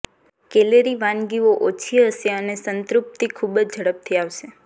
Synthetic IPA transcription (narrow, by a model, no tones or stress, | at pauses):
keleɾiʋãnɡioʔot͡ʃʰiəʃeənesənt̪ɾup̚t̪ikʰubd͡ʒd͡ʒʱəɽəp̚t̪ʰiaʋʃe